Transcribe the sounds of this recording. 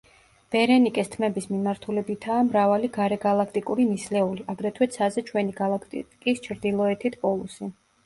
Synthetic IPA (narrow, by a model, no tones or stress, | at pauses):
b̥ɛɾɛnikʼɛst̪ʰmɛbismimaɾt̪ʰulɛbit̪ʰaːmɾavaliɡaɾɛɡalˠakʰt̪ʼikʼuɾinislɛuliʔaɡɾɛt̪ʰwɛt̪sʰazɛt͡ʃʰwɛniɡalˠakʰt̪kʼist͡ʃʰɾd̪ilˠɔɛt̪ʰit̪ʰpʼɔlˠusi